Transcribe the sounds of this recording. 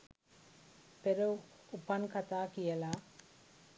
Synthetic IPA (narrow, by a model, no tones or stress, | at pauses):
peɾɐwupːɐnkɐt̪aːkijɐlaː